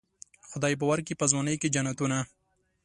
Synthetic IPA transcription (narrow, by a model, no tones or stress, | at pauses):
xʊd̪ɑjp̬əwaɾkipəzwɑnəjked͡ʒanat̪una